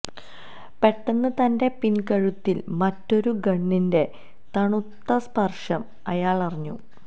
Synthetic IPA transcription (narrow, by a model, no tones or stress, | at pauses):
pe̞ʈːɐnːɨt̪ɐnde̞pinkɐɻut̪ːilmɐtːo̞ɾuɡɐɳːinde̞ | t̪ɐɳut̪ːɐspɐrʂɐm | ɐjaːɭɐrɐɲːṵ